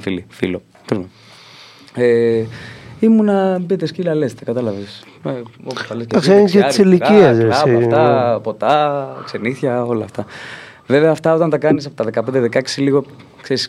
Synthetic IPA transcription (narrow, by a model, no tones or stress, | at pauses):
filifilo̞ | kizme | e | imunɐpit̪eskilɐle̞st̪ekɐt̪ɐlɐves | eopot̪ɐleskeɐkseneiilicieseɐsioɐft̪ɐpo̞t̪ɐkse̞niθçɐo̞lɐːft̪ɐ | ve̞veɐːft̪ɐo̞t̪ɐnt̪ɐkɐnisɐpot̪ɐðekɐpend̪eðekɐcsiliɣo̞ | kseɾis